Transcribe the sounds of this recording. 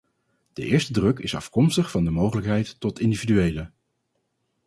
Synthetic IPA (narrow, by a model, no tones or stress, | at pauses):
d̥əʔɪːɹstədrɵkɪsɑ̰fkɔmstəχfɑndəmowχələkɦɛjtːɔtɪndividyejlə